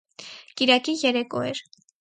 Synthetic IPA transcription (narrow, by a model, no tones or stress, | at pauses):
kiɾɑkijɛɾɛkɔɛ̰ɾ